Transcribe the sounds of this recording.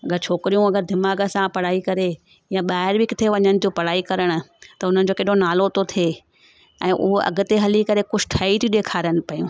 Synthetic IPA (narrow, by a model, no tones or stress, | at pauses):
ɐɡəɾt͡ɕʰoːkɪɾijũɐɡəɾd̪ʱɪmaːɡə̆sãpɐɽaːikɐɾe | jãɓaːɦɪɾbɪkɪt̪ʰeʋɐɲənɪ̆t̪ʰiopɐɽaːikɐɾəɽ̃ʊ̆t̪ɐʊn̤ənɪ̆d͡ʑoːkeːɗonaːlot̪ot̪ʰeː | ɛ̃ːʔʊɦoʔɐ̰ɡʊ̆t̪eɦɐlikɐɾekʊʃʰʈʰaːit̪ʰiɗeːkʰaːɾənɪ̆pɐjṵ̃ː